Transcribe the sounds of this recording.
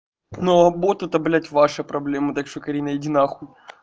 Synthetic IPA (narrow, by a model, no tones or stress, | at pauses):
noɐbot̪ʊt̪ɐblʲætʲvaʂɐpɾɐblʲemɐt̪akʂt̪okɐɾʲinɐjɪdʲɪnaxu